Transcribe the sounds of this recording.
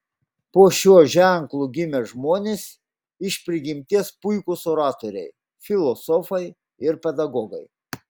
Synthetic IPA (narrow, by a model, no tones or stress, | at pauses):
poːʃʲuɔʒʲæˑŋklˠuɡʲɪmʲɛʒmoːnʲeːs | ɪʃʲpʲɾʲɪɡʲɪmʲt̪ʲiɛspʊɪkʊsɔɾɑːt̪oɾʲɛ̰ɪ | fʲɪlˠɔsɔfɐɪ | ɪɾpʲɛd̪ɐɡɔːɡɐɪ